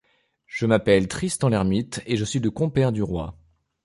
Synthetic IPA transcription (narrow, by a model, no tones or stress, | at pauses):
ʒ̥əmapɛlt̪χist̪ɑ̃lɛʁmit̪eʒəsɥiləkɔ̃pɛʁd̪yʁwa̰